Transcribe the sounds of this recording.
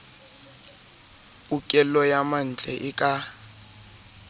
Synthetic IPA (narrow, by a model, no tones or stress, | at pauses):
pʼukʼɛlɔjaman̩d͡ɮʱʼɛʔɪkʼa